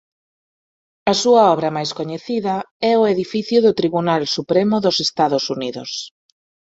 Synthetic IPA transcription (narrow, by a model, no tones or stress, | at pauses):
ɐsuɐɔβ̞ɾɐmajskoɲeθiðɐ | ɛʊeðifiθjʊðʊt̪ɾiβunalsupɾemʊðʊsest̪aðʊsuniðʊ̰s